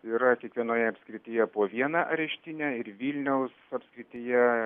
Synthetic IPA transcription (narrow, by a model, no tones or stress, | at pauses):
iːɾɐkʲiɛkʋʲiɛnoːjɛɐpʲskɾʲɪt̪ʲiːjɛpoːʋʲiɛnɑʔɐɾʲɛʃʲt̪ʲɪnʲæːɪɾʋʲiːlʲnʲɛʊsɐpʲskɾʲɪt̪ʲiːjɛ